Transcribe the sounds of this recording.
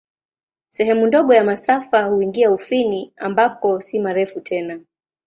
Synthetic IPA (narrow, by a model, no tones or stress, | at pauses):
sɛɦɛmundɔɠɔjamasafahuiŋɡiaufiniambapɔsimaɾɛfutʰɛna